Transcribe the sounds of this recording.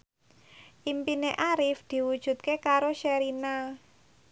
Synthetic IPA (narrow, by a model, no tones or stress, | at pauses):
ʔimpineʔaɾɪfd̪̥i̤wud̥ʒ̥ṳt̪̚kekaɾoʃaɾina